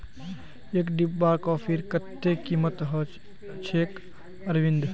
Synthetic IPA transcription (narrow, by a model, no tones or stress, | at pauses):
eːkɖibːaːkɔːfʰiɾkət̪ːeːkiːmət̪ɦə | t͡ʃʰeːk | ɐɾʋɪ̃nd̪